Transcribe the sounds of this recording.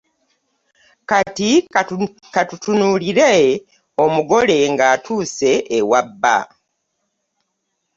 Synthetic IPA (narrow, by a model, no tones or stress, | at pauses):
kati | katutunuliɾe | o̞muɡo̞le̞ŋɡaːtʰuːse̞ʔːwabːa̰